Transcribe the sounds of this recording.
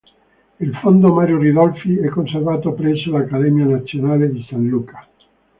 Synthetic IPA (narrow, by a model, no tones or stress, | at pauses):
ilfond̪omaɾjoriðɔlfiɛkːonservaːt̪opɾɛsolakːaðɛmjanat̪sːjonaled̪isanlukḁ